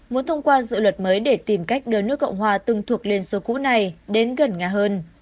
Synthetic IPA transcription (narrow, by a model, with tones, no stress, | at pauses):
mu˨˦ənt̪ʰə˧wŋ͡mkwaː˧zɨ̰˧˨lwə˨˩t̚məː˨˦jɗe˧˩t̪i˨˩mka˦˥jk̟̚ɗəː˧nɨ˦˥əkə̰˧˨wŋ͡mɦwaː˨˩t̪ɨ˨˧ŋt̪ʰu˨˩ək̚le˧nso˨˦kṵ˧˥na˨˩jɗe˨˦nɣə˨˩nŋaː˨˩ɦəː˧n